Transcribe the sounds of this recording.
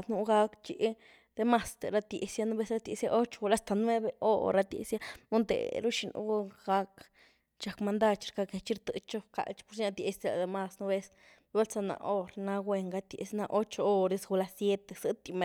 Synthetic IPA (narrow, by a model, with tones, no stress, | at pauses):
nu˧˦ɡa˦kt͡ʃi˧ʔ | d̪̥e˧ma˧st̪ḛ˨ɾa˦t̪je˨sja˦nu˦be˦sɾa˦t̪ʲe˧sja˦ʔo˦t͡ʃo̥˧u˧la˦st̪a˨nwe˦be˨ʔo˦ɾa˧t̪jḛ˨sja˦u˦nd̪ḛ˨ɾu˦ʃi˧nʔṵ˦ɡa˧k | t͡ʃa˨kma˧nd̪a˦˧t͡ʃɾka˧ke˨t͡ʃi˦ɾt̪ɨ˧˨t͡ʃo˦ka̰˨lt͡ʃpu˦ɾʃɲa˧t̪je˧sd̪e˧la̰˨d̪e˧ma˧snu˦be˧˦s | be˦lt͡sa˧na̰˧ʔo˦ɾna˧ɡwe˧ŋɡa˧t̪jḛ˨sna˧ʔo˦t͡ʃo˧o˦ɾe˧sɡu˧la˧sje˦t̪e˨sɨ˦t̪i˧me